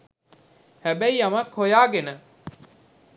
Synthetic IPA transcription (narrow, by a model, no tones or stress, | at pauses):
hæbæiɐmɐkhojaːɡenə